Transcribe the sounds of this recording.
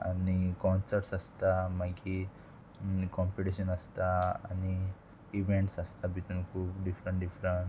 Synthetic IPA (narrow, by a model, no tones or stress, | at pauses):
ɐ̰nikɔːnsɐɾʈsɐst̪amaɡi | kɔ̃ːmpiʈiʃɐnɐst̪aːni | iʋeɳʈsɐst̪abit̪unkʰuːpɖifɾeɳʈɖifɾeɳʈ